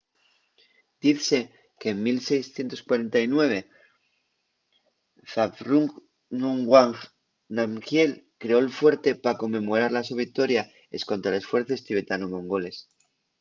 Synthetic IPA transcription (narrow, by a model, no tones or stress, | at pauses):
d̪̥iθse | ke̞ːmmilse̞jsθje̞nt̪o̞skwaɾe̞nt̪ainwe̞β̞e̞ | θafɾuŋ | nuŋɡwaŋ | namxje̞lkɾe̞o̞elfwe̞ɾt̪e̞pako̞mːẽ̞mo̞ɾaɾlasoβikt̪o̞ɾja | esko̞nt̪ɾale̞sfwe̞ɾθoe̞st̪iβe̞t̪anomõ̞ŋɡo̞le̞s